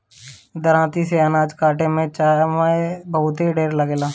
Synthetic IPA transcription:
d̪əɾãːt̪iseənaːd͡ʒkaːʈemẽt͡ʃaːmaebəɦʊt̪eɖeːɾləɡeːlaː

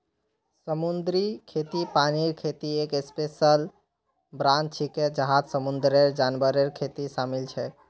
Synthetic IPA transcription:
səmund̪ɾikʰet̪ipaniɾkʰet̪iekespesəl | bɾant͡ʃʰiked͡ʒəɦad͡ʒsəmund̪ɾeɾd͡ʒanbəɾeɾkʰet̪isamilt͡ʃʰɛ

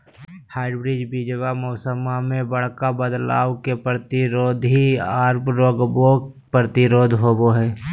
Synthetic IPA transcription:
haːɪɖbɾid͡ʒbid͡ʒəʋamɔːsəmamẽbəɽ̤kabəd̪la̰ːwkepɾɾət̪ɪɾoːd̪ʱɦiaːɾpɾoːɡbo | pɾət̪ɪɾoːd̪ʱɦoːboɦɛː

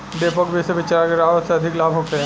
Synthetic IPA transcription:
ɖ̪eːpɔkbʱiseʋɪt͡ʃaːɾkeɾaːɦət̪seɐd̪ʱɪklaːbʱɦokeɛ

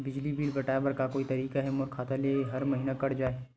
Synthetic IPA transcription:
bɪd͡ʒlibiːlbʱɐʈaːbəɾkakoːit̪ɐɾiːkaɦɛmoɾkʰaːt̪aleːɦɐɾmɐɦiːnakɐɽd͡ʒaːe

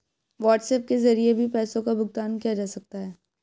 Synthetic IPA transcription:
ʋaːʈsɛːp̚kezɐɾiebʱipɛːsõkabʊɡ̚t̪aːnkijad͡ʒaːsɐk̚t̪aɦɛː

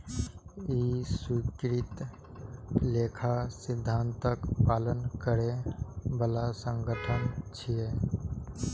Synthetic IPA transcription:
iswikɾɪt̪ | leːkʰasɪd̪ʱːaːnt̪əkpaːlənkəɾebəlasə̃ŋɡʱəʈʰənt͡ʃʰie

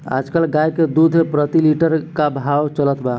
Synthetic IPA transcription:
a̰d͡ʒkəlɡajked̪ud̪ʱepɾət̪iliʈəɾkabʱawt͡ʃələt̪ba

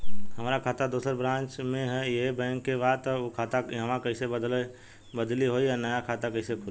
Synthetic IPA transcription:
həmɾakʰaːt̪ad̪oːsəɾbɾãːnt͡ʃmẽɦɛjəɦbɛ̃ŋkːebaːd̪t̪ɔokʰat̪aɦəmakəɪsebəd̪l | bəd̪liɦoianəjakʰaːt̪akəɪsekʰʊl

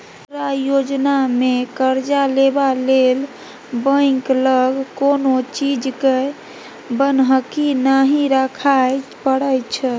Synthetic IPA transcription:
ɾajod͡ʒnamekəɾd͡ʒalebalel | bə̃ɪkləɡkonot͡ʃid͡ʒke | bənɦəkinaɦiɾəkʰajpəɽət͡ʃʰə

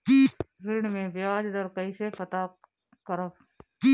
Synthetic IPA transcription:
kiːɾɪɽmẽbjaːd͡ʒd̪əɾkəisepɐt̪a | kəɾə | kiː

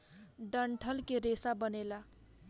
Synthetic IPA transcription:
ɖʌɳʈʰʌlkeɾesabʌnela

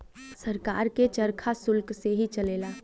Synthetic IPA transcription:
sɐɾka̰ːɾket͡ʃɐɾkʰasʊlkseɦit͡ʃɐleːlaː

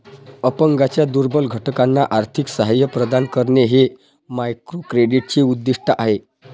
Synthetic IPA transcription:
əpəŋɡat͡ɕjad̪uɾbəlɡʱəʈkanːaʔaɾt̪ʰiksəɦajəpɾəd̪ankəɾɳeɦe | majkɾokɾeɖiʈ̚t͡ɕiud̪ːiʂʈəʔaɦe

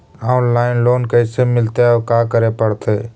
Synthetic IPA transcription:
aːʊnlaːɪnloːnkəɪsemɪlt̪eoːkaːkəɾeːpəɽt̪ʰeː

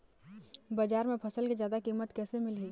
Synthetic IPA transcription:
bad͡ʒaːɾmẽpʰɐsəlkezjaːd̪akiːmət̪kɛːsemɪlɦiː

